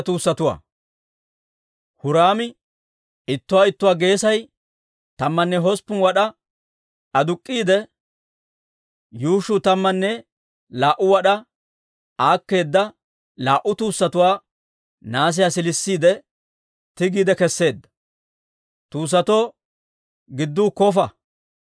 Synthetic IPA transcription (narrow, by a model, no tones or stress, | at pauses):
t̪uːsːɐt̪ʊwa̰ː | hʊɾaːmɪ | ɪt̪ːʊwaːɪt̪ːʊwaːɡe̞ːsɐj | t̪ɐmːɐnːɛɦɔspːʊnwɐɗɐ | ʔɐd̪ʊkʼːiːd̪ɛ | juːʃʊt̪ɐmːɐnːɛ | laːʔʊwɐɗɐ | aːkːe̞ːd̪ːɐ | laːʔʊt̪uːsːɐt̪ʊwaː | naːs̬ɪjasɪlɪsːiːd̪ɛ | t̪ɪɡiːd̪ɛkɛsːe̞ːd̪ːɐ̥ | t̪uːs̬ːɐt̪o̞ː | ɡɪd̪ːuːkɔfɐ